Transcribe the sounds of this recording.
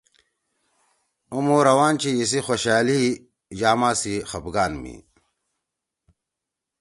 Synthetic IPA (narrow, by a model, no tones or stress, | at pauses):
umoːɾɐwaːnt͡ɕijis̬ixoɕaːli | d͡ʑaːmaːsixɐbɡaːnmḭ